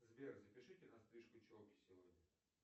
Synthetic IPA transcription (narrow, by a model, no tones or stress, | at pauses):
zvʲerʲzəpʲɪʂɨtʲɪnɐst̪ɾɨʂkʊt͡ɕolkʲɪ̥sʲɪvo̞dʲnʲə